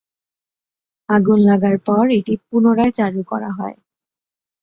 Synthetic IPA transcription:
aɡunlaɡaɾpɔɾeʈipunoɾaet͡ɕaɾukɔ̰ɾa̰ɦɔe

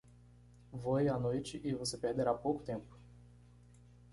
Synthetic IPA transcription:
vojanojt͡ʃɪʔɪvosepeɾd̪eɾapowkʊ̥t̪ẽmpʊ̥

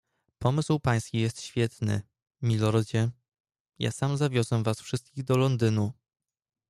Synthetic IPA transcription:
pɔmɘswpaj̃skʲijɛst̪ɕfʲjɛt̪nɘ̰ | mʲilɔɾɔd͡ʑɛ | ja̰samzavʲjɔzɛvasfʂɘst̪̚kʲiɣd̪ɔlɔnd̪ɘnu

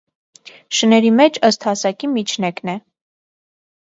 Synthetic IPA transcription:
ʃənɛɾimɛt͡ʃʰəst̪hɑsɑkimit͡ʃʰnɛknɛ

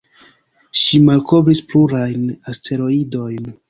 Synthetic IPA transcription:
ʃimalko̞vɾispluɾajnastʰe̞ɾo̞ido̞jn

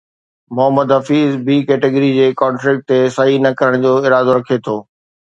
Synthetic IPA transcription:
mʊɦəmːəd̪ɦɐfiːzbiːkɛːʈɪɡəɾid͡ʑeːkɔ̃ːɳʈɾɪk̚ʈ̚t̪esɐɦinɐkɐɾəɽ̃d͡ʑoːɪɾaːd̪oɾɐkʰet̪ʰoː

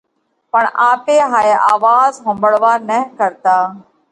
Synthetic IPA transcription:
pəɳaːpeːɦaːeːʔaːʋaːzɦʊmbəɽʋaːnəɦkəɾt̪aː

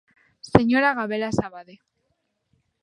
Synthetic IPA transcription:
seɲoɾaɣaβelasaβaðe

